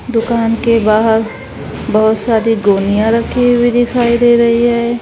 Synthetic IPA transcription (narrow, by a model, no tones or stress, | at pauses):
d̪ʊkaːnkebaːɦəɾ | bɐɦʊt̪saːɾiɡoːnijãɾɐkʰːibʱid̪ɪkʰaːid̪eɾɐɦiɦɛː